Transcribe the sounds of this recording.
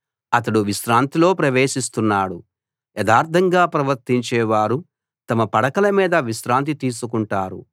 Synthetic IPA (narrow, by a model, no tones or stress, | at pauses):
ɐt̪ɐɽuʋiʃɾaːnt̪ilo̞ːpɾɐʋeːʃist̪unːaːɽu | ɛd̪aːɾt̪ʰɐŋɡaːpɾɐʋɐɾt̪iɲt͡ʃɛːʋaːɾu | t̪ɐmɐpɐɽɐkɐlɐmiːd̪ɐʋiʃɾaːnt̪̬it̪iːs̬ukuɳʈaːɾṵ